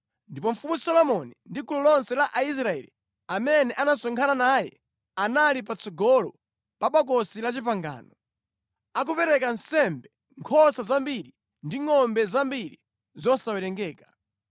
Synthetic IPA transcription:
ndipɔɱ̩fumusɔlɔmɔnindikulɔlɔnsɛlaʔais̬ɾaɛ̰lḭ | amɛnɛʔanasɔŋkʰananajɛ̰ | analip̬at͡sʰɔɡɔlɔ | paɓak̬ɔsilat͡ʃipaŋɡa̰ːnɔ | ak̬upɛɾɛkansɛmbɛ | ŋkʰɔsazambiɾi | ndiŋɔmbɛzambiɾi | zɔsawɛɾɛŋɡɛːkḁ

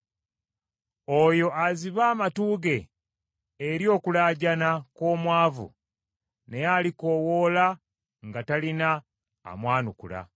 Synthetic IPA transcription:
o̞jo̞aziβaːmatuːɡe̞ː | ɾjo̞ːkulaːɟanako̞ːmwaːvṵ | ne̞jaliko̞wo̞ːla | ŋɡatalina̰ː | mwaːnukṵla̰

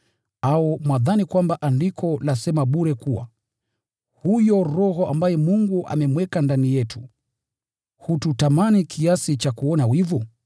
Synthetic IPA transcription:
aɔmwaðanikwambaʔandikʰɔlasɛmaɓuɾɛkuwa̰ | hujɔɾɔhɔʔambajɛmuŋɡuʔa̰mɛmwɛkandanijɛtʰu | hututamanikʰiasit͡ʃakuɔnawivɔ

